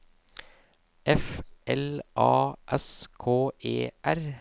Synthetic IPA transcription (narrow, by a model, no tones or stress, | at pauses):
ʔɛfʔɛlʔɑːʔɛskʰoːʔḛːʔæɾ